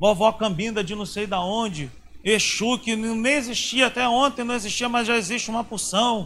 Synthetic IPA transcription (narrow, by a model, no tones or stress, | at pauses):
bovokɐ̃mbĩnd̪ɐd͡ʒɪnɐ̃w̃sejd̪ɐõd͡ʒɪ | eʃukɪnẽj̃eziʃt͡ʃiɐat̪ɛõt̪ẽnɐ̃eziʃt͡ʃiɐmɐzʒaeziʃt͡ʃɪũmɐpusɐ̃w̃